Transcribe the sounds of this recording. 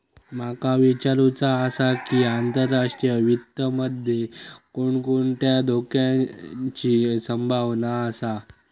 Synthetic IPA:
makaʋit͡ɕaɾut͡saəsakiːant̪əɾːaʂʈɾijəʋit̪ːəməd̪ʱjekoɳkoɳt̪jad̪ʱokjãt͡ɕiːsəmbʱaʋnaːsa

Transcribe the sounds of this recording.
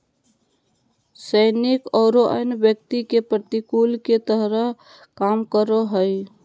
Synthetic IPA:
səɪnikɔʊɾoʔə̰jnbjək̚t̪ikepɾət̪ikulket̪əɦɾə | kamkəɾoɦəj

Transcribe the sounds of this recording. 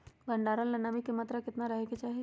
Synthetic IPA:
bɐɳɖaːɾənlɐnːamikemaːt̪ɾəkɪt̪naɾɐɦeɡet͡ʃaːɦie

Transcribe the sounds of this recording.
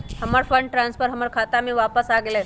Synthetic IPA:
həmaɾfəɳɖʈɾãnspʰəɾɦəmaɾkʰat̪amiʋapəsaɡele

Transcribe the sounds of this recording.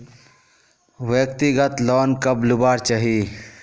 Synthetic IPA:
ʋjəkt̪iɡət̪lɔːnkəblubaːɾt͡ʃaɦi

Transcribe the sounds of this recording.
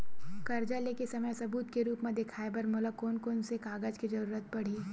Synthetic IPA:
kɐɾd͡ʒaleːkesɐməjsɐbuːt̪keɾuːpmẽd̪ɪkʰaːebɐɾmʊləkoːnkoːnsekaːɡəd͡ʒkid͡ʒɐɾuːɾət̪̚pɐɽ̤iː

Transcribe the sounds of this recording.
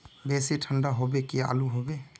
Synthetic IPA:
besitʰandaɦɔbɛkia̰luɦɔbɛ

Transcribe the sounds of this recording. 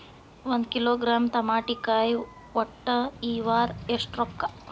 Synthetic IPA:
ʋɐnd̪kiloːɡɾaːmt̪ɐmaːʈikaːj | ʋɔʈːɐiːʋaːɾesʈɾokːa

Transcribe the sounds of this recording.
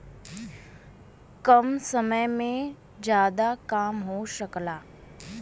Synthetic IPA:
kəmsəməjmẽ | d͡ʒjaːd̪akaːmɦoʃəklaː

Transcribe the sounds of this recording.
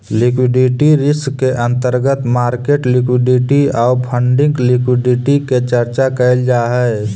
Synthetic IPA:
lɪkwɪɖiʈiɾɪskːeʔə̃nt̪əɾɡət̪maːɾkeːʈlɪkwɪɖɪʈiaːpʰə̃ɳɖɪ̃ŋɡlɪkwɪɖɪʈiket͡ʃəɾt͡ʃakəɪld͡ʒaːɦɛ

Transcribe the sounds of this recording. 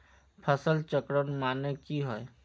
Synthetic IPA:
pʰəsəlt͡ʃəkɾənmaːnekiɦoe

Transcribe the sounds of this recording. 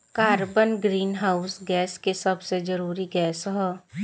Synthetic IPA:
kaːɾbənɡɾiːnɦaːʊsɡɛːskesɐbsed͡ʒəɾuːɾiɡɛːsɦɛː

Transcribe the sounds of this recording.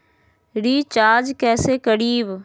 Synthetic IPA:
ɾiːt͡ʃaːd͡ʒkɛːseːkəɽiːb

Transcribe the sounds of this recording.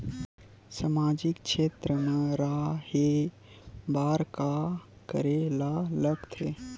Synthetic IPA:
samad͡ʒikʃet̪ɾəmeɾahe | baɾka | kə̰ɾelaləkt̪ʰḛ

